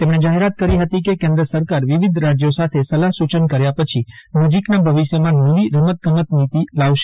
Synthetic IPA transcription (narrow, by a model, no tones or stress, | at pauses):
t̪emɳ̃ed͡ʒaɦeɾat̪̚kəɾiɦət̪ikekẽnd̪ɾəsəɾkaɾʋiʋid̪ʱɾad͡ʒjosat̪ʰesəlaɦsut͡ʃənkəɾjapət͡ʃʰinəd͡ʒiknabʱəʋiʃjəmãnəʋiɾəmət̪̚ɡəmət̪nit̪ilaʋʃe̥